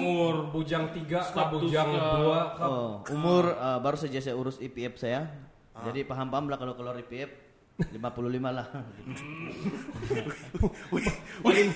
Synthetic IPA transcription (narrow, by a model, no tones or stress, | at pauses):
mʊrbud͡ʒaŋt̪iɡakabud͡ʒaŋduakɔumʊrəbaɾusad͡ʒas̬ajauɾʊsipiɛp̚saja | d͡ʒadipaɦampaamlahkalokəluaɾipiɛp̚ | limapululimalah